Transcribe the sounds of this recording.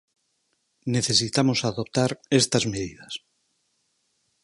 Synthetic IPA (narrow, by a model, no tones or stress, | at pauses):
neθesit̪amosaðop̚t̪aɾest̪azmeðiðɐs